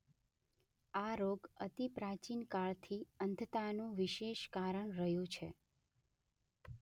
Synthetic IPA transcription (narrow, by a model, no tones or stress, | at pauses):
aɾoɡət̪ipɾat͡ʃinkaɭt̪ʰiənd̪ʱət̪anũʋɪʃeʃkaɾəɳɾəɦjũt͡ʃʰe